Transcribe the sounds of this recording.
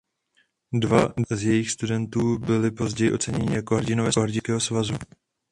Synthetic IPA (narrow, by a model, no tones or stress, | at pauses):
dvadɛzjɛjɪxst̪udɛnt̪uːbɪlɪpo̞zɟɛjɪʔo̞t͡sɛɲɛɲɪjakoɦɾɟɪnovɛːoɦɾɟɪkɛːɦosvazu